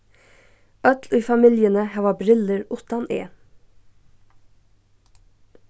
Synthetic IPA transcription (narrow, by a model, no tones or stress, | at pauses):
ʔœt̪liːfɑmɪljənəhæːʋɑːbɾɪləɹʊt̪ɑnḛː